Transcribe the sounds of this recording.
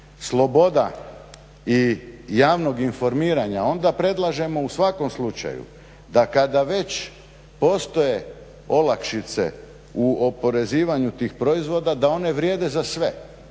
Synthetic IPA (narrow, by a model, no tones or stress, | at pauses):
slˠo̞bo̞d̪a̰ | ijaːʋno̞ɡinfo̞ɾmiːɾaɲao̞nd̪apɾe̞d̪lˠaʒe̞mo̞usʋako̞mslˠut͡ʃa̰jṵ | d̪akad̪aʋe̞t͡ɕ | po̞st̪o̞je̞ | o̞lakʃit̪se̞̰ | uo̞po̞ɾe̞ziːʋaɲut̪iːxpɾo̞izʋo̞d̪ad̪ao̞ne̞ʋɾʲje̞ːd̪e̞zasʋe̞